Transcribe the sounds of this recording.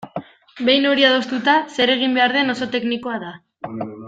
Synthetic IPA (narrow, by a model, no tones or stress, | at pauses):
be̞jno̞ɾiað̞o̞st̪ut̪ase̞ɾe̞ɣ̞imbe̞aɾð̞e̞no̞so̞t̪e̞kniko̞aða